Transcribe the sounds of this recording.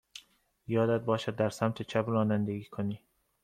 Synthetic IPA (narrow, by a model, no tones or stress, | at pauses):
jɒːd̪æd̪̚bɒːʃæd̪ːæɾsæmt̪ʰet͡ʃʰæbrɒːnænd̪eɡiːkʰoniː